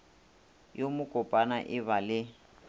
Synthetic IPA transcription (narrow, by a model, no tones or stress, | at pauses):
jomʊkʼɔpʼanaʔɪβalɪ